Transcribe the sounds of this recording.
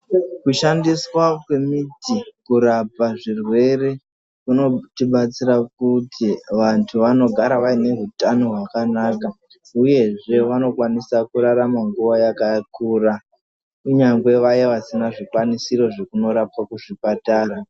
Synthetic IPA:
kuʃandiswakwe̞mitikuɾapaʐirwe̞re̞ | kuno̞tiɓat͡siɾakutʰiʋantʰuʋano̞ɡʱaɾaʋaine̞ɦutanoɦwakanaːka | uje̞ʐe̞ʋano̞kwanisakuɾaɾamaŋɡuʋajakakuːɾa | uɲaŋɡwe̞ʋajeʋasinaʐikwanisiɾo̞ʐe̞kuno̞ɾapakuʐipataːɾa

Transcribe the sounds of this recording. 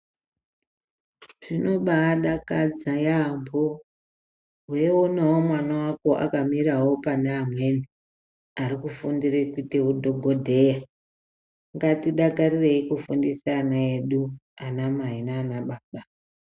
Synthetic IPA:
ʐ̥ino̞ɓaːɗakad͡zajambo | ɦwe̞onawomwanawako̞ʔa̰kamiɾawo̞paneamwe̞ni | aɾikufundirekwiteudʱoɡʱodʱe̞ja | ŋɡatiɗakarire̞ikufundisanae̞ɗuanamaɦinaːnaɓaɓa

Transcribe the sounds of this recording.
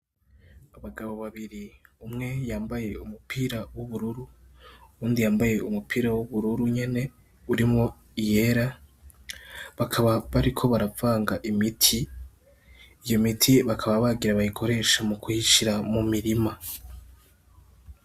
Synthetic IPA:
aβaɡaβo̞βaβiɾiumŋe̞jaːmbaje̞umupʰiːɾawuβuɾuɾu | ɾuːndijaːmbaje̞ʔumupʰiːɾawuβuɾuɾuɲe̞ne̞ | uɾimŋo̞ | ije̞ɾa | βakʰaβaβaɾikʰo̞βaɾavaːŋɡaʔimitʰi | jo̞mitʰiβakʰaβaβaɡiɾaβajikʰo̞ɾe̞ʃamukuiʃiɾamumiɾima

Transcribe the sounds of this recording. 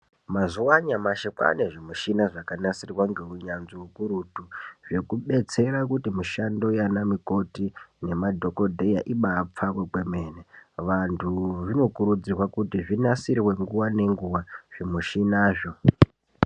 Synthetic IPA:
mazuwaɲamaʃekwa̰neʐimuʃinaʐakanasirwaŋɡe̞uɲanziwukuɾutuʐe̞kuɓe̞t͡se̞ɾakutimiʃando̞janamiko̞tine̞madʱo̞ko̞dʱejaʔiɓap͡fakwekwe̞meːneʋantʰuʐino̞kuɾud͡zirwakutiʐinasirwe̞ŋɡuwane̞ŋɡuwaʐ̥imuʃinaːʐo̞

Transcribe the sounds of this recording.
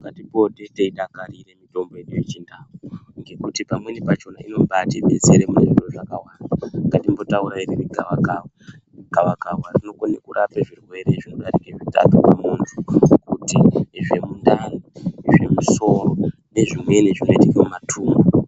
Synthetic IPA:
ŋɡatipo̞ɗe̞teiɗakaɾire̞mito̞mbo̞jeɗujet͡ʃindakuŋɡe̞kutipamwe̞nipat͡ʃo̞naino̞ɓateɓe̞seɾemunedoʐakawandaŋɡatimbo̞tauɾaeɾeriɡʱawaɡʱawa | ɡ̥ʱawaɡʱawwarino̞konekuɾʔapeʐirwe̞ɾe̞ʐino̞ɗaɾikeʐita̰kakamuntʰukutiʐe̞mundaniʐe̞muso̞ɾo̞ | ne̞ʐimwe̞neʐino̞itiijomatʰuːma

